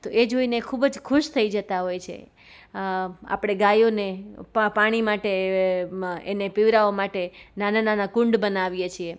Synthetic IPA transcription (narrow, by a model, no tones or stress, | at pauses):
t̪oʔed͡ʒoinekʰubd͡ʒkʰʊʃt̪ʰəid͡ʒət̪aɦojt͡ʃʰḛ | a̰pɽ̃eɡajonepaɽ̃imaʈe | enepiʋɾaomaʈenanananakʊ̃ɳɖbənaʋjet͡ʃʰie